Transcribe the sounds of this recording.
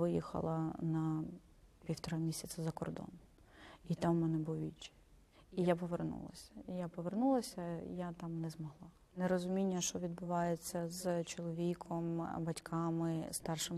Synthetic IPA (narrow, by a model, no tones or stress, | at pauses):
ɪjḭxɐ̰lˠɐ̰nɐ | pʲiwt̪ɔɾɐmʲisʲɐt͡s̪ʲɐzɐkɔ̰rd̪ɔ̰n | it̪amːɛnɛbʊlˠʋʲḭt͡ʃɪ̥ | ijapɔʋernṵlˠɐ̰sʲɐ̥ijapɔʋernulˠɐsʲɐ̰jat̪ɑmnɛzmɔɦlˠɑ | nɛɾɔzʊmʲinʲːɐʃt͡ʃɔʋʲid̪̚bʊʋɑjet͡sʲːɐzt͡ʃɔlˠɔʋʲikʰɔmbɐtʲkʰɑmɪst̪ɑrʃɪm